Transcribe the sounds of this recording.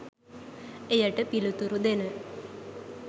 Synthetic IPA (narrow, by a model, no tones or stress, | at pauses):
ejəʈəpilut̪uɾud̪enə